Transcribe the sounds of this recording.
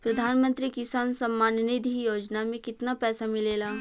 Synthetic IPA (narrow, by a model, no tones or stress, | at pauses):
pɾɐd̪ʱaːnmə̃nt̪ɾikɪsaːnsɐmːaːnnɪd̪ʱijoːd͡ʒnamẽkɪt̪napɛːsamɪleːlaː